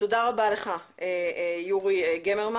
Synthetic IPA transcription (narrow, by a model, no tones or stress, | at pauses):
todaʁabaleχaʔejuʁieɡemeʁma